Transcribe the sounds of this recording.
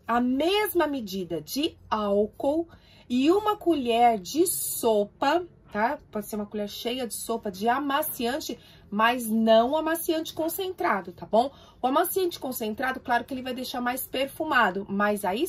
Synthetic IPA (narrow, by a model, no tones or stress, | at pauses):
ɐmezmɐmɪd͡ʒid̪ɐd͡ʒɪawkow | ɪũmɐkuʎɛɾd͡ʒɪsopɐ | t̪apɔd͡ʒɪseɾũmɐkuʎɛɾʃejɐd͡ʒɪsopɐd͡ʒɪamasiɐ̃nt͡ʃɪ | mɐznɐ̃w̃amasiɐ̃nt͡ʃɪ̥kõsẽnt̪ɾad̪ʊt̪abõw̃ | ʊamɐ̃siɐ̃nt͡ʃɪ̥kõsẽnt̪ɾad̪ʊklaɾʊkɪelɪvajd̪ejʃaɾmajspeɾfumad̪ʊmɐzai